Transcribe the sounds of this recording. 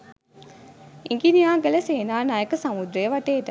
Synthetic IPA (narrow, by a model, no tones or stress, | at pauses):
iŋɡinijaːɡələseːnaːnaːjekəsamud̪ɾejəʋaʈeːʈə